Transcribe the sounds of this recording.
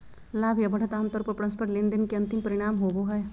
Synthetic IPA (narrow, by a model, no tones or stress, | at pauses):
laːbʱjɐbɐɽ̤ɐt̪aːmt̪ɔːɾpɐɾpɾɐ̃nspʰəɾʈlɪnd̪inkeɐ̃nt̪ɪmpɐɾɪɽ̃aːmɦoːboɦɐj